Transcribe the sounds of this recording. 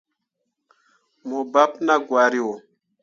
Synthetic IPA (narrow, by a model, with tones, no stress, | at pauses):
mo˨ba˦pna˦ɡwa˨ɾi˦wo˨